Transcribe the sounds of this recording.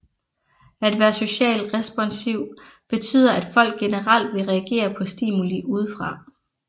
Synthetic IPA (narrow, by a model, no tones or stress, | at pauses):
æd̥ʋæːɐso̝ɕɛ̰ːld̥ʁɛsb̥ɒ̽nsiʊ̰ | b̥e̝t͡sʰy̰ːðˠɐʔæd̥fɒ̽l̰ɡ̥ːe̝nəʁɑ̈l̰d̥ʋe̝ʁɛæɡ̥e̝̰ːɐpʰɒ̽sd̥ḭmuliʔuːð̞ˠfʁɑ̈